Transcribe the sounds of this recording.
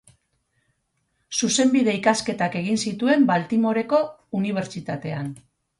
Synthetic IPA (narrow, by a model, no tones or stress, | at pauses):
suse̞mbiðe̞ikaske̞t̪ake̞ɣ̞insit̪ue̞mbalt̪imo̞ɾe̞ko̞ | uniβ̞e̞ɾt͡ʃit̪at̪e̞an